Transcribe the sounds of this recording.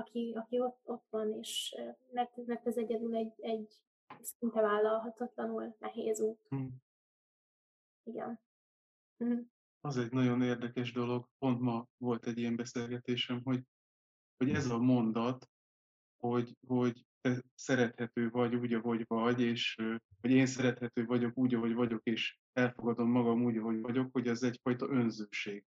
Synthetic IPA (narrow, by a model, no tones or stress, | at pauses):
ɒkʰiɒkio̞t̪o̞t̪ʋɒneːʃnɛt̪nɛɡ̚t̪ɛzɛɟɛd̪ylɛɟɛɟ | sint̪ɛvaːlːɒlɦɒt̪ɒt̪lɒnylnʔɛɦeːzuːt̪ | iɡɛ̰n̩ | m̩ | ɒzɛɟnɒɟo̞neːrd̪ɛkɛʒd̪o̞lo̞ɡpo̞nt̪mɒvo̞lt̪ɛɟːijɛmbɛseːlɡɛt̪eːʃɛmɦo̞ɟ | ho̞ɟɛzɒmo̞nd̪ɒt̪ | ho̞ɟho̞ɟt̪ɛsɛɾɛt̪hɛt̪øːvɒɟuːɟɒɦo̞ɟvɒɟeːʃ | ho̞ɟeːnsɛɾɛt̪hɛt̪øːvɒɟo̞kuːɟɒɦo̞ɟvɒɟo̞keːʃ | ɛlfo̞ɡɒd̪o̞mːɒɡɒmuːɟɒɦo̞ɟvɒɟo̞kho̞ɟɛzɛcfɒjt̪ɒʔø̞nzøːʃeːɡ̥